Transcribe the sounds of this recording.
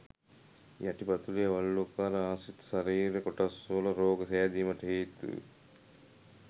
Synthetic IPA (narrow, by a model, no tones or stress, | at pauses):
jɐʈibɐt̪ulijɐʋɐɭːukaːɾɐaːsit̪ːsɐɾiːɾekɔʈɐsolɐɾoːɡɐsead̪iːmɐʈʰeːt̪ɨ̰